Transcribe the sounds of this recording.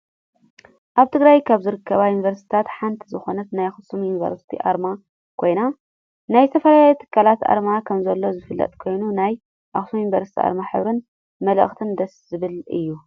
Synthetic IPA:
ʔaβt̪ʰɨɡɾajkʰaβzɨɾɨkʰːɐβajunivɐɾst̪ʰt̪ʰat̪ħant̪ʰizɨxo̞nɐt̪najxɨsumjunivɐ̰ɾst̪ʰḭʔa̰ɾma | kʰo̞jna | najt̪ʰɐfɐlajajut̪ʰɨ̥kʰːalat̪ʔa̰ɾmakʰɐmzɐlːo̞zɨfɨlːɐ̰t̪ʼkʰo̞jnunaj | ʔaxsumjunivɐɾst̪ʰiʔa̰ɾmaħɨ̰βɾɨn | mɐlə̰xt̪ʰɨnd̪ɐszɨβɨlɨ̰jːu

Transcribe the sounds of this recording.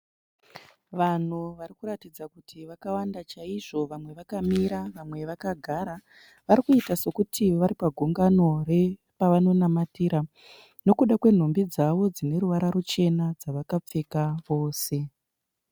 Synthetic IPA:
ʋan̤uʋaɾikuɾatid͡zakutʰiʋakawandat͡ʃaiʐo̞ʋamwe̞ʋakamiɾaʋamwe̞ʋakaɡʱaɾa | ʋaɾikuitase̞kutʰiʋaɾipaɡʱuŋɡano̞re̞ | paʋano̞namatiɾa | no̞kuɗakwe̞n̤o̞mbid͡zaʋo̞d͡zine̞ɾuʋaɾaɾut͡ʃe̞nad͡zaʋakap͡fekaʋo̞ːse̞

